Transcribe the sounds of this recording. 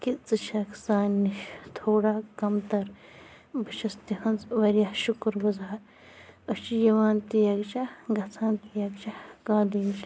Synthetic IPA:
kit͡sɐt͡ʃʰɐksaːnːiʃt̪ʰoːɽaːkɐmt̪ɐɾ | bʱɐʃɐst̪ihɐnzʋɐɾjɐʃukɾʋɐzaːɾ | ɐt͡ʃijɐʋaːnt̪ijɐɡt͡ʃaɡɐt͡saːnt̪ijɐɡt͡ʃahkaːliːʃ

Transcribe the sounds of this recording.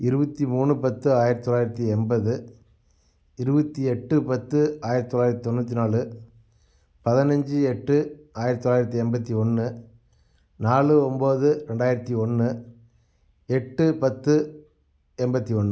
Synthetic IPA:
ɪɾɯbɐt̪ːimuːɳɯpɐt̪ːɯaːjɪɾɐt̪ːt̪ːɔlaːjɪɾɐt̪ːiɛmbɐðɯ | ɪɾɯbɐt̪ːiɛʈːɯpɐt̪ːɯaːjɪɾt̪it̪ːɔlːaːɪɾɐt̪it̪ɔnːɐt̪ːinaːɭɯ | pɐðɪnɐɲd͡ʒɯɛʈːɯaːjɪɾɐt̪ːtːɔlaːjɪɾɐt̪̬ːiɛmbɐt̪ːiɔnːɯ | naːɭɯɔmboːðɯɾɛɳɖaːjɪɾɐt̪ːiɔnːɯ | ɛʈːɯpɐt̪ːɯ | ɛmbɐt̪ːiɔnːɯ

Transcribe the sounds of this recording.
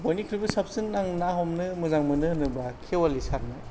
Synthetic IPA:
bojnikʰɾibɯsap̚sinːaŋnaɦɔmnɯmɯzaŋmɯnɯnɯbakʰewalisaɾmaj

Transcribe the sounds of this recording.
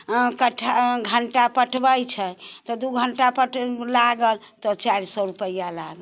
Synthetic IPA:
kəʈʰɡʱəɳʈapəʈʰbəjt͡ʃʰɛt̪ɔd̪uɡʱəɳʈapəʈlaɡəl | t̪ɔt͡ʃaɾsɔɾupəjalaɡəl

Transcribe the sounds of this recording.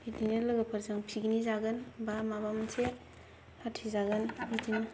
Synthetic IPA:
idinelɯɡɯpʰɐɾzɯŋpʰiɡinizaɡɯnbamabamɯnse | hatʰːizaɡɯnbitʰin

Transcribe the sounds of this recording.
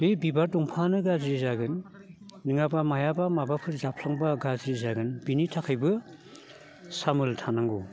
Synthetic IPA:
bɯjbibaɾduŋpʰanɯɡazɾizaɡɯnː | ɯŋabamajabamabapʰɯɾzapʰlaŋbaɡaziɾizaɡɯnbinitʰakʰɯjbɯ | samɯltʰanaŋɡu

